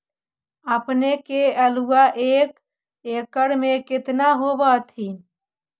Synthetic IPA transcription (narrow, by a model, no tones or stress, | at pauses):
əpnekeəluwaʔeːk | ekəɽmekɪt̪naɦobət̪ɦin